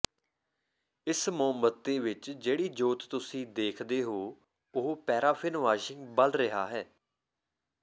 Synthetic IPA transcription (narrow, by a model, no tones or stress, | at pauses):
ɪsmoːmbət̪ːeːʋɪt͡ʃd͡ʒeːɽiːd͡ʒoːt̪ːʊsĩːd̪eːkʰd̪eːɦoː | ʊɦopɛːɾaːpʰɪnʋaːʃɪŋɡbəlɾɪɦaːɦɛː